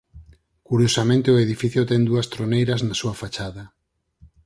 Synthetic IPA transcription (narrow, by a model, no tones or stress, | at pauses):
kuɾjosamẽnt̪eoeðifiθjʊt̪ɛŋd̪uɐst̪ɾonejɾɐznasuɐfat͡ʃaðɐ